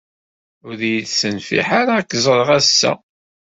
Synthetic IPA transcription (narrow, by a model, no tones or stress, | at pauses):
ʊðjiðsənfḭħaɾaːkːzˤɾˤʁæsːæ̰